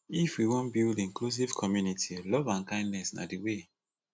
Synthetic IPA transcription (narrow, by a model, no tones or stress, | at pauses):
ifwiwõnbildĩŋklus̬iv̥kʰɔmjunitʰilɔvãnkãɪ̃ndnɛsna̰diwe